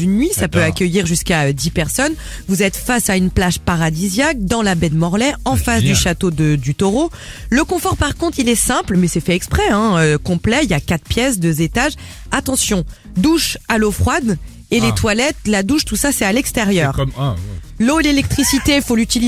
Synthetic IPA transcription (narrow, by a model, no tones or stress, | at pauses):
ynːɥisapøakʲəjiʁʒyskaød̪ipɛʁsɔn | vuzɛt̪fasaynplaʃpaʁad̪izjak̚d̪ɑ̃labɛd̪mɔʁlɛɑ̃fasd̪yʃat̪od̪əd̪yt̪ɔʁo | ləkɔ̃fɔʁpaʁkɔ̃t̪χilɛsɛ̃plmɛsɛfɛɛkspχɛɛ̃økɔ̃plɛiljakat̪χpjɛsd̪øzet̪aʒ | at̪ɑ̃sjɔ̃ | d̪uʃalofχwad̪ | elet̪walɛt̪lad̪uʃt̪usasɛalɛkst̪eʁjœːʁ | loelelɛk̚t̪χisit̪efolyt̪il